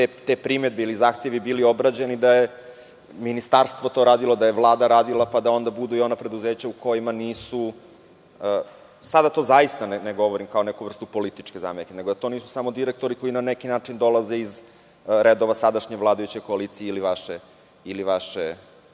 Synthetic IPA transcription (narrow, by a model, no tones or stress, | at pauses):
t̪et̪epɾimed̪̚beilizaːxt̪e̞ʋibilio̞bɾad͡ʑenid̪aje | minist̪aɾst̪ʋo̞t̪o̞ɾaːd̪ilod̪ajeʋlˠaːd̪aɾaːd̪ilˠapad̪ao̞nd̪abud̪uio̞napɾe̞d̪uzeːt͡ɕauko̞jimaniːsu | sad̪at̪o̞ːzaist̪aneneɡo̞ʋoɾimkaonɛkuʋr̩st̪upo̞lit̪i̥t͡ʂkeza̰ːmekeneɡod̪at̪o̞niːsu̥samod̪iɾek̚t̪o̞ɾiko̞inanekinaːt͡ʂind̪o̞laze̞iz | ɾed̪o̞ʋasad̪aʃɲeʋlˠaːd̪ajut͡ɕe̞jko̞aliːt̪sijeiliʋaʃe | iliʋaʃe